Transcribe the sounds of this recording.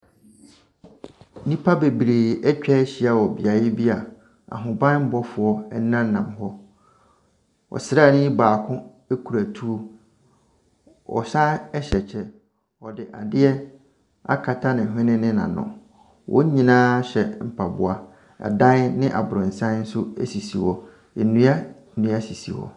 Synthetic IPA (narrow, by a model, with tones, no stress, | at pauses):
nĩ˦pʰa˦be˨bɾeː˨ɛ˦t͡ɕᶣɛ˦ɕi˦a˦wɔ˨bi˨a˨jɪ˦bi˦a˨ | a̰˨ɦʊ̃˨bã˦n˦m̩˦bɔ˦fʊ˨ɔ˦ɛ˦nã˦n˦˨nã˨mɦɔ˦ | ɔ̰˨sɾaː˦˨nʊ̃˦i˦baː˨kʰʊ̃˦ | e˦kʰu˨ɾæ˨tʰu˦o˦ | ɔ̰˨ɕã˦ɛ˦ɕɛ˨t͡ɕʰɛ˦ | ɔ˨dɪ˨ʔa˨dɪ˦ɛ˦ | a̰˦kʰa˨tʰa˦nɪ̃˨ɦɪ̃˦nɪ̃˦nɪ̃˦nã̰˨nʊ̰̃˨ | wʔɔ̰̃˦ɲĩ˨nãː˦ɕɛ˨m̩˨pʰa˨bʊ˨a˨ | a̰˨dã˦nnɪ̃˦ʔa̰˨bʊ˨ɾɪ̃˨n̩˨sã˦n˦n̩˦sʊ˦æ̰˦si˨si˨wɔ˨ | e˨nũ˦a˦ | nũ˦a˦si˨sḭ˨wɔ̰˨